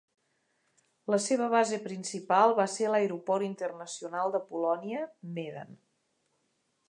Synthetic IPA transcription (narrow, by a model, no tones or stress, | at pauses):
ləseβəβ̞azepɾinsipalˠβaseləeɾupɔɾint̪ərnəsiunalˠd̪əpulɔniəmeðə̰n